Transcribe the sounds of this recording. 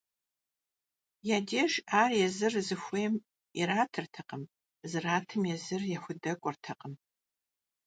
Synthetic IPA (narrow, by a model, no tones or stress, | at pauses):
jaːdeːʒaːrjɛzɨrzɨxʷeːm | iraːtʰɨrtʰɐqəm | zɨraːtʰɨmjɛzɨrjɛxʷʊdɐkʷʼɔrtʰɐqʼəm